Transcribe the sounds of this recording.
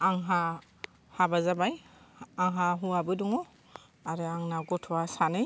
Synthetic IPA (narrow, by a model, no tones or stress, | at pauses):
aŋɦa | habazabajaŋɦaɦuabɯduŋɔ | aɾɯaŋnaɡɔtʰɔwasanɯj